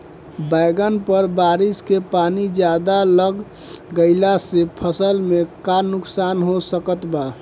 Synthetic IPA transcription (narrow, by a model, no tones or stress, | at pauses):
bajɡənpəɾbaɾiskepanid͡ʒjad̪aləɡ | ɡəɪlasepʰəsəlmekanʊksanɦosəkət̪ba